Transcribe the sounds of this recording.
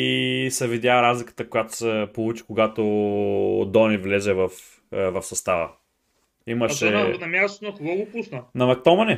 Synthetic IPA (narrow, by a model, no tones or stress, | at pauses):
isɛvid̪jaɾazlʲikə̥t̪əkojat̪o̥sɛpolˠut͡ʃi̥koɡat̪o | d̪ɔnivlɛzɛvɐf | vɐfsɐst̪avə̰ | imɐʃɛnɐmʲjast̪ot̪onɐkoɡɔɡopusnənɐmɐk̚t̪ɔmɐnɛ